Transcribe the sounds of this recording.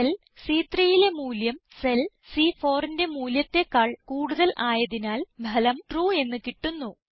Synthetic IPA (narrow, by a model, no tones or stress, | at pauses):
ɐl | siːt̪rijile̞muːljɐmsel | sifo̞ːrinde̞muːljɐt̪ːe̞kːaːɭkuːɽuðɐlʔaːjɐðinaːlbʱɐlɐmʈruːe̞nːɨkiʈːunːu